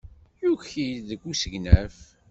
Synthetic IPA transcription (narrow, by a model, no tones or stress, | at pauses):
juçiðəɡʷːusəɡnæf